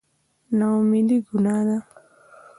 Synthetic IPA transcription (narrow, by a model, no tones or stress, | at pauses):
naumiliɡunad̪a